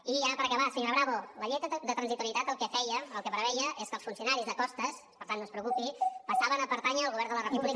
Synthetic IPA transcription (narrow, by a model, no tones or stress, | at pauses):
iaɾəpəɾəkəβasiɣrəβɾaβoləʎɛt̪əd̪ət̪ɾənzit̪uɾiət̪at̪əlˠkɛfɛjəːlˠkeβɾəβɛjəʔeskəlˠsfunsiunaɾizðəkɔst̪əs | pəɾt̪anːonspɾəukupipəsaβənəpəɾt̪aɲəːlɣuβɛrnd̪ələrəpuβlik